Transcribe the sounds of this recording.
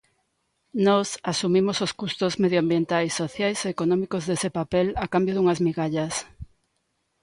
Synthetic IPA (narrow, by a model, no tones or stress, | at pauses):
nɔsasumimososkust̪ozmeðjoambjent̪ajsːoθjajseːkonɔmikozðesepapelakambjoðuŋazmiɣaʎɐs